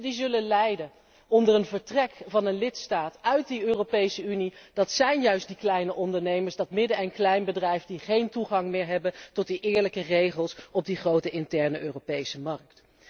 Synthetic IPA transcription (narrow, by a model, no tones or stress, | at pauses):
dizɵlənlɛjdə | ɔndərənvəɹtrɛkvɑnənlɪtstaːtœɥt̚diøːrowpejsəynid̥ɑtsɛjnjœɥstdiklɛjnəʔɔndəɹnejməɹsdɑtmɪdəɛnklɛjnbədrɛjfdiχejntuχɑŋmɪːɹɦɛbəntɔt̚diʔɪːɹləkərejχəlˠsɔb̚diχrowtəʔɪntɛɹnəʔøːropejsəmɑɹk̚t